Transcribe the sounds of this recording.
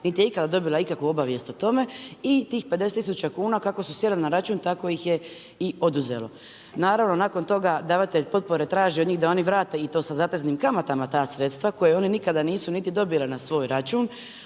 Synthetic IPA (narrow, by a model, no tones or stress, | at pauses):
nit̪ijeikad̪ad̪o̞bilˠaikakʋuo̞baʋje̞st̪ot̪o̞me̞it̪iːxped̪eset̪isut͡ʃakuːnakako̞susjeɾllnaɾat͡ʃuːnt̪ako̞jixje̞ | io̞d̪uzḛlo̞ | naːɾaʋno̞naːko̞nt̪o̞ɡad̪aːʋat̪eʎpo̞t̪̚po̞ɾet̪ɾaːʒiod̪ɲiɣd̪ao̞niʋɾaːt̪e̞it̪o̞ːsazat̪eznimkamat̪amat̪aːsɾe̞t̪st̪ʋako̞jeo̞ninikad̪aniːsunit̪id̪o̞bilenasʋo̞ːjɾat͡ʃuːn